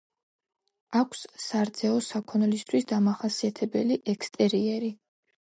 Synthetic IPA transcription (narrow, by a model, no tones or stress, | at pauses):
akʷʰssaɾd̪z̥ɛɔsakʰɔnlist̪ʰwisd̪amaχasiat̪ʰɛbɛliʔɛkʰst̪ʼɛɾiɛɾi